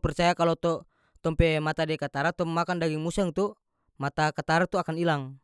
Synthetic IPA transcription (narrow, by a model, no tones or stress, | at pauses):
pɛrt͡ʃajakalɔt̪ɔ | t̪ɔmpɛmat̪adɛkat̪aɾat̪ɔmːakandaɡiŋmusɛŋt̪u | mat̪akat̪aɾat̪uakanilaŋ